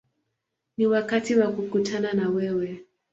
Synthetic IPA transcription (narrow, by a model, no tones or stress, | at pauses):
niwakatiwakukutʰananawɛwɛ